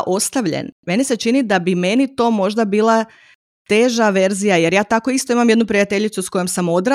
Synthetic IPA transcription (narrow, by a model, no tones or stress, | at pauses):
ʔo̞st̪aʋʎḛnme̞nise̞t͡ʃinid̪abime̞nit̪o̞ːmo̞ʒd̪abiːlˠa | t̪e̞ʒaʋe̞ɾzijaje̞ɾjaːt̪ako̞ist̪o̞imamjed̪nupɾijat̪e̞ʎit̪susko̞jomsamo̞d̪ɾa